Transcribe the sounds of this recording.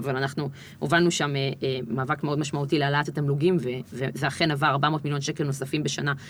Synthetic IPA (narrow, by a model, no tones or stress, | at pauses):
valanaχnu | ovanuʃameemaːvakmeo̞d̪maʃmaut̪ilealat̪atamluɡimvevezeaχe̞navaːʁbamo̞ːtmiljo̞nʃekelno̞safimbe̞ʃana